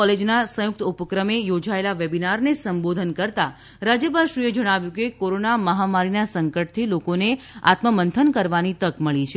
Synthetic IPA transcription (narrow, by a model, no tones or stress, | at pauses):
ɔled͡ʒnasə̃jʊk̚t̪upəkɾəmejod͡ʒaelaʋebinaɾnesəmbod̪ʱənkəɾt̪a | ɾad͡ʒjəpaʃɾued͡ʒəɽ̃aʋjũkekoɾonaməɦamaɾinasəŋkəʈ̚t̪ʰilokonea̰t̪məmənt̪ʰənkəɾʋanit̪əkməɭit͡ʃʰe